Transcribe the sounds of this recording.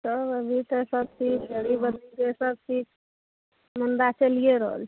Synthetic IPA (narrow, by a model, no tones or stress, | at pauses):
səbəbʱit̪əsəb̚sʰikɡʱəɽibəd̪ɾikesəb̚sʰik | mund̪at͡ʃəlijeɾəɦə̰lʰɛ̥